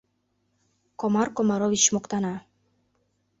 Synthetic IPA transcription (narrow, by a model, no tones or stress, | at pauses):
komɑrkomɑɾovit͡ɕmokt̪ɑnɑ